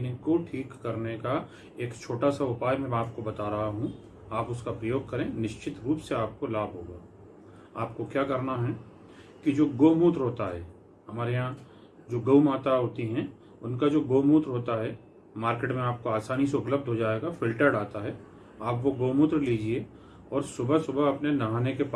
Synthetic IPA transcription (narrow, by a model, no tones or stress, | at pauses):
nɪkoʈʰiːkːɐɾneka | eːkt͡ʃʰoːʈasaʊpaːjmɛ̃aːp̚kobɐt̪aːɾɐɦaɦũ | aːpʊskapɾɐjoːɡ̚kɐɾẽnɪʃt͡ʃɪt̪ɾuːpseaːp̚kolaːbʱɦoːɡaː | aːp̚kokjaːkɐɾnaɦɛ | kid͡ʒoːɡoːmuːt̪ɾɦoːt̪aɦɛ | hɐmaːɾejã | d͡ʒoːɡɐwmaːt̪aɦoːt̪iɦɛ̃ | ʊnkad͡ʒoːɡoːmuːt̪ɾɦoːt̪aɦɛ | maːɾkeːʈmẽaːp̚koaːsaːniseʊpləb̚d̪ʱɦod͡ʒaːeɡafɪlʈəɾɖaːt̪aɦɛ | aːpʋoɡoːmut̪ɾliːd͡ʒie | ɔːɾsʊbʱəsʊbəɐpnenɐɦaːnekep